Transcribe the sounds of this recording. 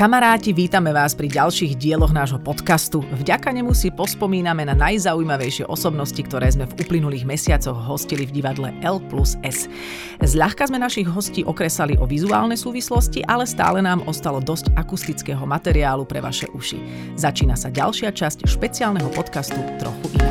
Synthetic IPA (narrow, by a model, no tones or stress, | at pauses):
kamaɾaːciʋiːt̪amɛʋaːspɾiɟalʃiːɣɟɪɛlɔɣnaːʒɦɔpɔt̪kast̪uvɟakaɲɛmusipɔspɔmiːnamɛnanajzaujmaʋɛjʃɪɛ̰ʔɔsɔbnɔscikt̪ɔɾɛːzmɛvuplinuliːɣmɛsɪat͡sɔɣɦɔscilivɟiʋad̪lɛʔɛlplusɛs | zʎaxkazmɛnaʃiɣɦɔsciːʔɔkɾɛsaliʔɔʋizua̰ːlnɛjsuːʋislɔsciʔalɛst̪a̰ːlɛnaːmʔɔst̪alɔd̪ɔscakust̪it͡skɛːɦɔmat̪ɛɾiaːlupɾɛʋa̰ʃɛ̰ʔuʃḭ | zat͡ʃiːnasaɟa̰lʃɪat͡ʃascʃpɛt͡siaːlnɛɦɔpɔt̪kast̪ut̪ɾɔ̰xuʔin